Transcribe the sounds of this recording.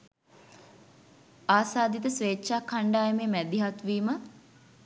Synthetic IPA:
aːsaːd̪it̪əsʋeːtːʃaːkʰːaɳɖaːjəmeːmæd̪iɦat̪ʋiːmə

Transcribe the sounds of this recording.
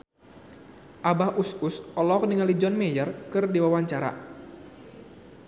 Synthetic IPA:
ʔabahususɔlɔk̚niŋalid͡ʒɔnmɛjərkɨrdiwawaɲt͡ʃaɾa̰

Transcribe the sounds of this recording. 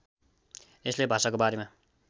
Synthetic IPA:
eslebʱasakobaɾema

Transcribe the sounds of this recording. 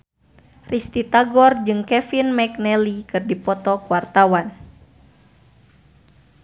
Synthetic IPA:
rist̪it̪aɡɔrd͡ʒɨŋkɛfinmɛk̚nɛlikɨrdipɔt̪ɔkuwart̪awan

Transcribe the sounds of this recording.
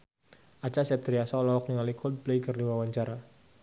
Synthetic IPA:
ʔat͡ʃasɛp̚t̪ɾiasalɔɔk̚niŋalikʰɔd̪̚blejkərdiwawaɲt͡ʃaɾa

